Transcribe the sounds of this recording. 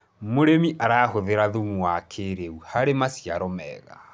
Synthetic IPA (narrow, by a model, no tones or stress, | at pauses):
moɾemiʔaɾaːhoðeɾaðumuwakʰeɾeuhaɾemasijaɾɔmɛ̰ɣa̰